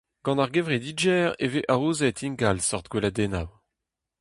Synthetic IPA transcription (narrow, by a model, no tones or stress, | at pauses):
ɡ̥ɑ̃naʁɡevʁed̪id͡ʒɛːʁeveʔaʁuːzɛt̪iŋɡalsɔʁt̪ɡwelad̪ɛna̰w